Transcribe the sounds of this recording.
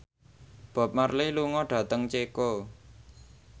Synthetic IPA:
b̥a̤p̚mərliluŋɔɖ̥ä̤t̪əŋt͡ʃeko

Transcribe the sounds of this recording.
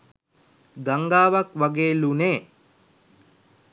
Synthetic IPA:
ɡaŋɡaːʋakʋaɡeːluneː

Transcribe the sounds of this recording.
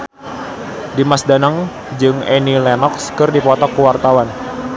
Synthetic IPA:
dimasdanaŋ | d͡ʒɨŋɛnilɛnɔkskɨrdipɔt̪ɔkːuwart̪awan

